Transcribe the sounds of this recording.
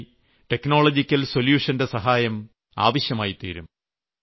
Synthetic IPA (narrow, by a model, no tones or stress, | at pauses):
ʈe̞kno̞ːɭɐd͡ʑikʲːɐlsoljuːʂɐnde̞sɐɦaːjɐm | a̰ːʋɐɕjɐmaːjit̪ḭːɾum